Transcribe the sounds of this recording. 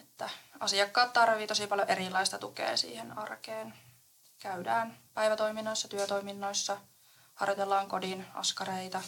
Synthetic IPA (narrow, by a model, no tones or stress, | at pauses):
et̪ːæɑsiɑkːɑːt̪t̪ɑrʋiːt̪osipɑljoʔeɾilːˑɑist̪ɑt̪ukḛːsḭːhenɑrkeːn | kæydæːnpæiʋæt̪oiminːoisːɑt̪yøt̪oiminːoisːɑ | hɑ̰rjot̪elːɑːŋkodinʔɑ̰skɑɾeit̪ɑ